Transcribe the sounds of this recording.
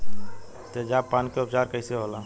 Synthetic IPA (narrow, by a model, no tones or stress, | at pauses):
t̪ed͡ʒaːpaːnkeʊpt͡ʃaːɾkəɦiseɦola